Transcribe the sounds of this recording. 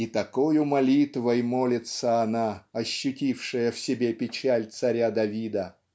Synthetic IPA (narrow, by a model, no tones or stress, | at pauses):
it̪ɐkojʊmɐlʲit̪vəjmolʲɪt̪səɐnaɐɕːʊtʲifʂɨjəfsʲɪbʲepʲɪt͡ɕælʲt̪sɐɾʲad̪ɐvʲid̪ə